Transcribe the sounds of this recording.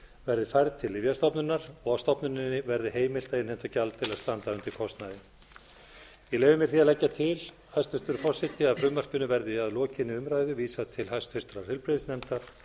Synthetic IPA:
vɛɾðɪfajɾðt̪ʰɪlɪvjast̪ɔpnʏnːaɾ̥ɔɣast̪ɔpnʏnɪnːɪvɛɾðɪheːjmɪl̥t̪aɪnhɛnt̪vacalt̪ʰɪlaðst̪ant̪aʏnt̪ɪɾkʰɔst̪naðɪ | ileːjvʏmɛɾ̥θiaðlɛcːat̪ʰɪl | hajst̪fɪst̪ʏɾʏfɔr̥sɪt̪ɪaðfɾʏmːar̥pʏnʏvɛɾðɪaðlɔːcɪnːɪʏmɾaːjðʏviːsat̪ʰɪlhajst̪fɪst̪ɾaɾ̥hɪlpɾɪðsnɛmt̪aɾ̥

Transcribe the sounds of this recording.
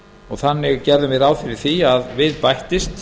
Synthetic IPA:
ɔɣθanːɪɣcɛɾðʏmɪðaːwfɪɾɪɾ̥θiaðvɪðpajht̪ɪst̪

